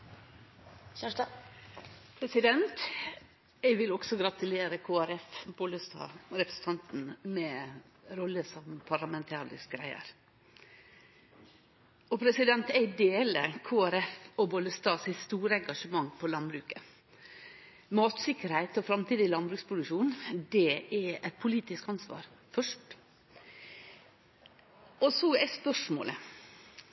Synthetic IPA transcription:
pʰɾɛsɪd̪ɛnt̪ | ɛɪʋɪlɔɡ̥sɔɡɾɑt̪ʉleːɾəkʰoːæɾɛfboləst̪ɑ̰ːɾɛpɾəsn̩t̪ʰɑnt̪n̩mɛ | ɾɔlːəsɔmpʰɑɾlɑmɛnt̪ʰɑːɾɪ̰s̚ɡɾæ̰ɪə̰ɾ | ɔpʰɾɛsɪd̪ɛnt̪æɪd̪eːləkʰoːæɾɛfɔboːd̪əst̪ɑːsæst̪uːɾəɛŋɡɑʂəmɑŋːpʰɔlɑnbɾʉːkə | mɑːt̪sɪkːəɾhæɪt̪ɔfɾɑmt̪ʰiːd̪ɪlɑnbɾʉːkspʰɾʊd̪ʉʂuːnd̪ɛɛɛt̪̚pʰʊliːt̪ɪskɑnsʋɑ̰ːɾfœʂʈ | ɔsɔæɪspœʂmo̰ːlə

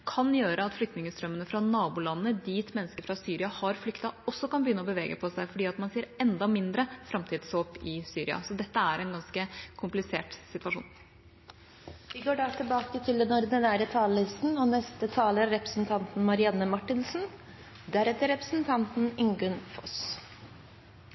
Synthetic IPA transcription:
kʰɑnjøːɾəɑt̪flʏk̚t̪nɪŋəst̪ɾœmːənəfɾɑnɑːbʊlɑnːəd̪iːt̪mɛnːəskəɾfɾɑsyːɾɪɑhɑɾflʏkt̪ɑɔsːɔkɑnbəjʏnːəɔbəʋeːɡəpʰɔsæɪfɔɖiːɑt̪mɑnseːɾɛnd̪ɑmɪnd̪ɾəfɾɑmt̪ʰiːd̪sʋoːpɪsyːɾɪɑ̰sɔd̪ɛt̪ːəæɾɛnɡɑnskəkʰʊmplɪseːʈsɪt̪ʋɑʂṵːn | ʋɪɡoːɖɑt̪ʰɪlbɑːkət̪ʰɪld̪ɛnɔɾd̪ənæːɾət̪ʰɑːləlɪst̪n̩ɔnɛst̪ət̪ʰɑːləɾɾɛpɾə̥sn̩t̪ʰɑnt̪n̩mɑɾɪɑnːəmɑʈːɪnsn̩ | d̪æɾɛt̪ːəɾɛpɾəsn̩t̪ʰɑnt̪n̩ɪŋɡʉnfɔs

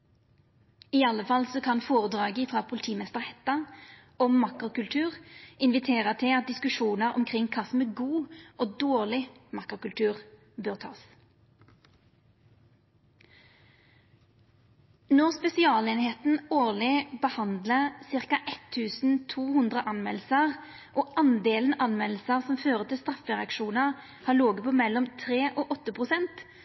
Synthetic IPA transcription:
ɪɑləfɑlsɔːkʰɑnfoːʁəd̪ʁɑːɡəɪfʁɑːpʰʊlɪt̪ʰiːmɛst̪əʁhɛt̪ɑ | ɔmmɑkʁʊkʉlt̪ʰʉːʁɪnʋɪt̪ʰeːʁət̪ʰɪɑt̪̚d̪ɪskʉʃuːnəʁɔ̰mkʰʁɪŋkʰɑːsmeːɡuːʔoːd̪oːʁlɪmɑkʁʊkʉlt̪ʰʉːʁ | bøːʁt̪ʰɑ̰ːs | nɔʁspɛsɪɑːleːnɪheːt̪n̩oːʁlɪbəhɑnd̪ləʁsɪʁkɑʔɛt̪ʰːʉːsn̩t̪ʰuːhʉnd̪ʁəʔɑnmɛ̰lsəʁ | ʔoːɑnd̪eːln̩ɑnmɛl̩səʁsɔmføːʁət̪ʰɪlst̪ʁɑfəʁɛɑkʃuːnəʁ | hɑːloːɡəpʰoːmɛlɔmt̪ʰʁeːʔoːʔɔt̪ːəpʰʁʊsɛnt̪

